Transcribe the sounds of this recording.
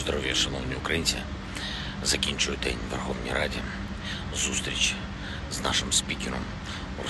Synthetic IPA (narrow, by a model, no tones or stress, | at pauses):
zd̪ɾɔvʲjɐʂɐnɔvnʲɪʊkɾɐjinsʲɪ | zɐkʲinʲt͡ʃʊjʊt̪ɛnʲvɛrxovnʲḭjɾadʲɪ | zust̪ɾʲit͡ʃ | zna̰ʂɨmspʲikʲɪɾɔm | r